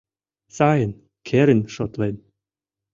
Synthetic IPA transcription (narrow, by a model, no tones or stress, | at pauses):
sɑjən | kʰeɾɘnʃot̪len